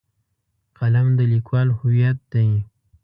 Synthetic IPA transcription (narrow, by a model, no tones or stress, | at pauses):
qalamd̪əlikwɑlhʊwjat̪̚d̪̥aj